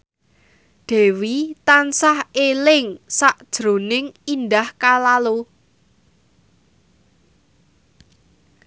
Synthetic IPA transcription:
ɖ̪̥e̤wit̪ansahelɪŋsaʔd̥ʒ̥ɾo̤nɪŋind̪ahkalalo

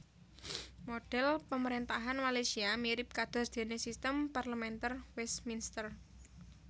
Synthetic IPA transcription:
moɖ̥ɛlpəməɾent̪aɦanmalesiamiɾɪp̚kad̪̥ɔ̤sd̪̥e̤nesist̪əmparləmɛnt̪ərwɛsminst̪ər

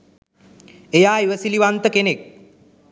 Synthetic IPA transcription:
ejaːiʋəsiliʋant̪əkenek̚

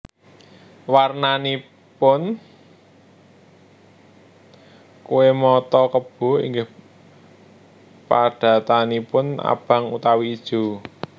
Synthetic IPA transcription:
warnani | pʊn | kuwemɔt̪ɔkəb̥o̤ɦḭŋɡɪh | paɖ̥a̤t̪anipʊna̰b̥ä̤ŋṵt̪awiːd̥ʒ̥o̤

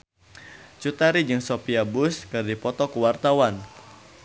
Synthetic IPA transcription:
t͡ʃut̪aɾid͡ʒɨŋsopiabʊskɨrdipɔt̪ɔkuwart̪awan

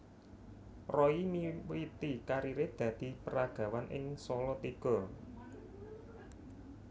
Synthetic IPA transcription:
rɔimiwit̪ikaɾiɾed̪̥ä̤d̪̥i̤pəɾaɡ̥a̤wanʔɪ̰ŋsɔlɔt̪iɡ̥ɔ̤

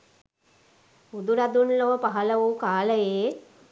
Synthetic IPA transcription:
ud̪uɾad̪unloʋəpaɦɐləʋukaːləjeː

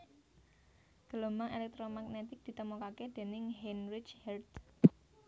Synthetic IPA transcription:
ɡ̥əlomaŋelɛk̚t̪ɾomaɡnet̪ɪk̚d̪̥i̤t̪əmukaked̪̥e̤nɪŋɦenɾɪt͡ʃhɛrd̪

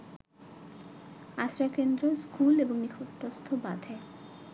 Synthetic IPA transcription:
asɾakend̪ɾoskuleboŋnikʰoʈːost̪ʰobad̪ʱe

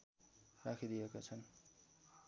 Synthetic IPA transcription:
rakʰid̪ijekat͡sʰʌn

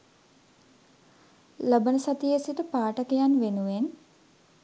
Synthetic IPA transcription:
ləbənəsat̪ijesiʈəpaːʈəkejanʋenuʋen

